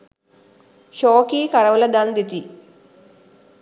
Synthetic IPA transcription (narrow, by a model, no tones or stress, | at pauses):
ʃoːkikɐɾɐʋɐlɐd̪aːnd̪it̪i